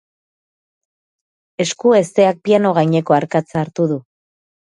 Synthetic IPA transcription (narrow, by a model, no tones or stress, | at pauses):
e̞skue̞st̪e̞ak̚piano̞ɣajɲe̞ko̞aɾkat͡saːɾt̪uðu